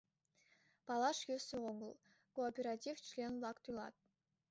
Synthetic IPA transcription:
pɑlˠɑʂjøseʁoŋəlˠ | koːpʲeɾatʲift͡ɕlʲenblˠɑkt̪ujlˠɑ̰t̪̚

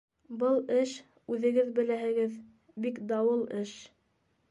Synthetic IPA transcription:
bɤlˠɘʃ | ʉðɘ̆ɡɘðbɘ̆læhɘ̆ɡɘð | bikd̪ɑwɤlˠɘʃ

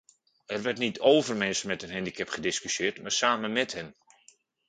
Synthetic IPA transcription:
ɛrʋɛrtnitʰoːvərmɛnsmɛtənɦɛndiɪkɛpχədɪskysɪːrtmaːrsaːmənmɛthɛn

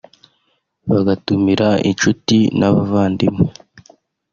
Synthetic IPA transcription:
βaɡatumiɾaḭnt͡ʃutinʔaβavaːndimo

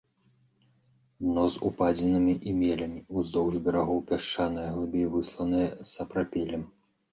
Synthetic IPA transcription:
nɔzupad͡zʲɛnɨmʲiʔimʲɛlʲɐmʲiuzd̪ɔwʐbʲɐɾaɣɔwpʲaʂt͡ʂanɨjɐɣlubʲivɨslˠɐnɨjɐsɐpɾapʲɛlʲɛm

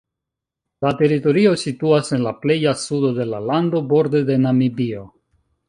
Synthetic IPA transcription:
late̞ɾito̞ɾio̞situase̞nlaple̞jasudo̞de̞lalando̞bo̞ɾde̞de̞namibio̞

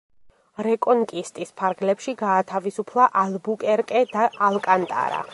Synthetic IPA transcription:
ɾɛkʼɔŋkʼist̪ʼispʰaɾɡlɛpʃiɡaːt̪ʰavisupʰlˠaʔalˠbukʼɛɾkʼɛd̪̥aʔalˠkʼant̪ʼa̰ɾa̰

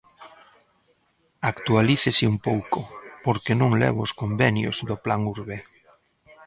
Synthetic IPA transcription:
akt̪ualiθesɪumpowkopoɾkenõŋlɛ̰β̞oːskombɛnjo̰zðoplaŋuɾβe

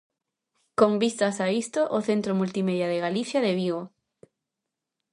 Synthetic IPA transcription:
kombist̪asaist̪oʔoθent̪ɾomult̪imeðjaðeɣaliθjaðeβiɣo

